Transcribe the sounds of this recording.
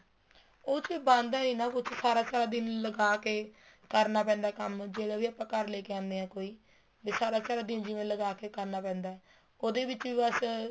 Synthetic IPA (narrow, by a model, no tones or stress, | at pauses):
oːt͡ʃibãːnd̪aːiːnãːkʊt͡ʃʰsaːɾaːt͡ʃaːɽaːd̪ɪnləɡaːkeː | kəɾnaːp̬ɛ̃ːnd̪aːkəmd͡ʒeːɽaːʋiːapːãːkəɾleːkeãːnd̪eːɦɛ̃ːkoːiː | beːsaːɾaːt͡ʃaːɽaːd̪ɪnd͡ʒɪʋẽːləɡaːkeːkəɾnaːpɛ̃ːnd̪aːɛː | oːd̪eːbɪt͡ʃʋiːbəs